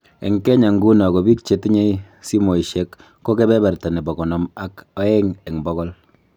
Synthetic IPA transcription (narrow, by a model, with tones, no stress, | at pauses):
ḛ˨ŋkɛ˦ɲa˨ŋɡu˦nɔ˨kɔ˨bi˦k̚t͡ʃe˨˦ti˦ɲe˦ | si˦mo˨i˨ʃe˦kː | o˦ke˦bɛ˦ba˨ɾta˨ni˨bɔ˨kɔ˨nɔ˨ma˦kɔ˦ɛ˦ŋe˨ŋbɔ˦kɔ˦l